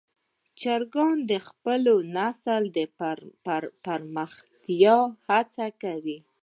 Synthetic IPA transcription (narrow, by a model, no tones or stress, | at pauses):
t͡ʃaɾɡɑnd̪əxpəlonasəld̪əpapaɾməxt̪jɑhat͡sakawi